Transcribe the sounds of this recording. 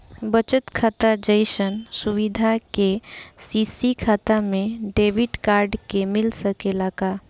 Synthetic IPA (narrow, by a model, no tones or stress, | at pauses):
bət͡ʃət̪kʰaːt̪ad͡ʒəɪsənsuʋid̪ʱakesisikʰaːt̪amẽɖeːbɪʈkaːɾɖkemɪlsəkelaːka